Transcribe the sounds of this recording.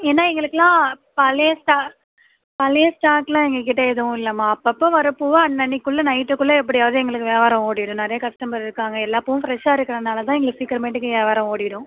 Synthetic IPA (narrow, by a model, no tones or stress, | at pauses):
eːnːaːɛŋɡɐɭɯkːɯlãː | pɐlɛjɐsʈaː | pɐlɐjɐsʈaːkːlãːɛŋɡɐkɪʈːɐɛðɯʋʊ̃ɪlːɐmaːɐpːɐpːõːʋɐɾɐpːuːʋɐɐnːɐɳːikːʊɭːɐnɐɪʈːɯkːʊɭːɐɛp̬ːɐɽɪjaːʋɐðɯɛŋɡɐɭɯkːɯʋeːʋaːɾɐ̃oːɽɪɽʊ̃nɐɾɐjɐkɐsʈɐmbɐɾɪɾɯkːaːŋɡɐɛlːaːpːɐʋʊ̃fɾɛʂaːɪɾɯkːɐɾɐnaːlɐt̪ãːɛŋɡɐɭɯkːsiːkːɐɾmɐɪʈːɯkːɯʋaːʋaːɾɐ̃oːɽɪɪɽʊ̃